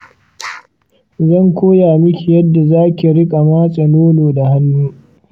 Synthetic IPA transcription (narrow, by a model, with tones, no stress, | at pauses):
zɐ˦˨ŋkʷoː˦jaː˨mɪ˦kʲi˨jɐ˦dːa˨zaː˦kʲi˨ɽɪ˦kʼa˨maː˦sʼɐ˨noː˦loː˨da˨ha˦nːuː˦